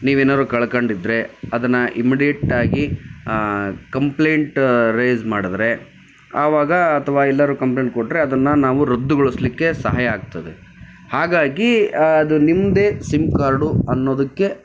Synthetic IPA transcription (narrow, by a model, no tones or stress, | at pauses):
niːʋeːnaːd̪ɾukɐɭɐkɐɳɖid̪ɾe̞ɐd̪ɐnːɐʔimiɽijeʈːaːɡi | kɐmple̞ːɳʈɾeːzmaːɽid̪ɾe̞ | aːʋaːɡɐːt̪ʰɐʋaːɛlːɐɾukɐmpleːɳʈkoʈːɾe̞ɐd̪ɐnːɐnaːʋuɾɐd̪ːuɡoɭuslikːe̞sɐɦaːjɐːɡ̚t̪ɐd̪e | haːɡaːɡiɐd̪unimːd̪e̞ːsimkaːɾɖuɐnːo̞ːd̪ɐkːe̞